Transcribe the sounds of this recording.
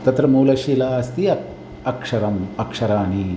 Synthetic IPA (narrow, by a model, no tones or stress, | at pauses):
t̪ɐt̪ɾɐmuːlɐʃiːlaːɐst̪iɐ | ɐkʂɐɾɐmɐkʂɐɾaːni